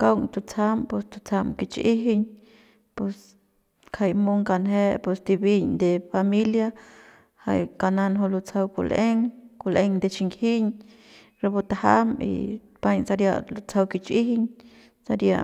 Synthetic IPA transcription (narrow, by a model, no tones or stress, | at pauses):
kawŋt̪ut͡sampwest̪ut͡sʰamkit͡ʃiɦiɲ | pes | kʰajmuŋkanɦepwest̪ibiɲd̪efamilja | ha̰jkananɦolut͡sʰawkṵleŋkuleŋd̪et͡ʃiŋɡhiɲ | ɾebut̪ahamḭ | paɲsaɾja̰lut͡sawkit͡ʃiɦiɲ | saɾja̰